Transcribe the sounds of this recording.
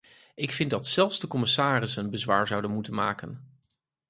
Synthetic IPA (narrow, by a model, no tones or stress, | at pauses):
ɪkfɪndɑtsɛlˠfvzdəkɔmɪsaːrɪsənbəzʋaːɹzʌwdənmutənma̰ːkən